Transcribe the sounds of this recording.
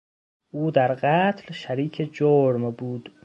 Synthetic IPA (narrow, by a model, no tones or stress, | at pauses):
ʔuːd̪æɾɢæːt̪ʰlʃæɾiːkʰed͡ʒoːɾmbuːd̪̥